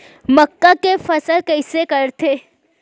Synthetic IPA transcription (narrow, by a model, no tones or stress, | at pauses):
məkːakefəsəlkəɪsekəɾt̪ʰe